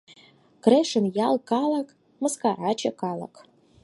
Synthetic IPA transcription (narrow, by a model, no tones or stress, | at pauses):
ɡ̥reʂɨnjalkʼalakʰʼ | mɨskʰarat͡ʃʰakʰʼala̰kʰʼ